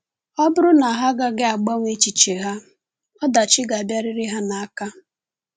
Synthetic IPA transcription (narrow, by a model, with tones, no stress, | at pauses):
ɔ˦bʊ˦ɾʊ˦na˨ɦa˦ɡa˦ɡɪ˦a˨ɡ͡ba˦ŋʷe˦t͡ʃi˨t͡ʃe˨ɦa˦ | ɔ˦da˨t͡ʃɪ˦ɡa˨bja˦ɾɪ˦ɾɪ˦ɦa˦na˨a˦ka˦